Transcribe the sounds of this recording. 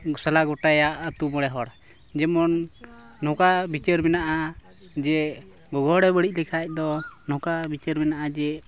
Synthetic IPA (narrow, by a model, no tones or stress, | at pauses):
salaɡɔʈajaʔət̪umɔɽɛɦɔɽ | d͡ʒɛmɔnː | ɔ̃kabit͡ʃəɾmɛnaʔa | d͡ʒɛ | ɡɔɡɔɽɛbəɽic̚lɛkʰac̚ˀd̪ɔnɔkabit͡ʃəɾmɛnaʔad͡ʒɛ